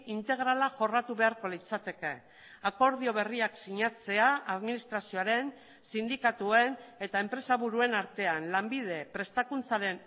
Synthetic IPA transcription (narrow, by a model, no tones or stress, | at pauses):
int̪e̞ɣɾalaʝo̞rat̪uβe̞aɾko̞lit͡sat̪e̞ke̞ | ako̞ɾð̞io̞β̞e̞riaksiɲat͡se̞aaðminist̪ɾasio̞aɾe̞n | sind̪ikat̪ue̞ne̞t̪ae̞mpɾe̞saβuɾue̞naɾt̪e̞anlambið̞e̞pɾe̞st̪akunt͡saɾe̞n